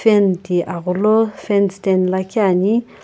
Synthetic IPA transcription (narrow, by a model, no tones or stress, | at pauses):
fendiʔaɣulofɛnstɛnlakjani